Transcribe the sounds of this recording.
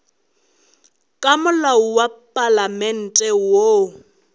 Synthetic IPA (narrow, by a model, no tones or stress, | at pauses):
kʼamʊlauwapʼalamɛn̩tʼɛwo